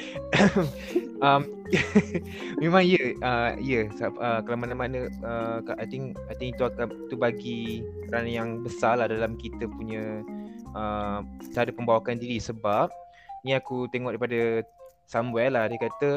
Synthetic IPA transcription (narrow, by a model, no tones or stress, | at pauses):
ʔam | mẽmãŋiəəijəsaəkalamanamanəəaʔajt̪iŋ | ajt̪ĩŋit̪uakait̪ubaɡi | ɾanajaŋbəsalahdalamkit̪əpuɲə̃ | ʔət̪əɦadəpəmbawakandiɾisəbap̚ | niakut̪eŋɔʔdaipadə | samwɛlahdakat̪ə